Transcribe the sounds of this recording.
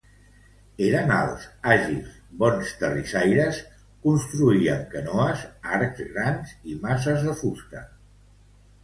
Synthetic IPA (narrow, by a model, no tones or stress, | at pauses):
eɾəna̰lˠzaʒis | βɔnst̪ərisajɾəs | kunst̪ɾuiəŋkənɔəzaɾkzɣɾanzimas̬əzðəfusk̪ə